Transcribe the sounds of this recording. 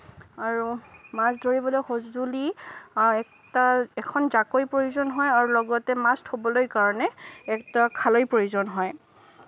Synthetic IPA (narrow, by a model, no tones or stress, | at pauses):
aɹumasdoɹibɔlojxozduli | ɛk̚ | taɛkʰɔnzakojpɹojuzɔnɦɔjaɹulɔɡɔtɛmastʰobɔlojkaɹɔnɛɛk̚takʰalojpɹojuzɔnɦɔj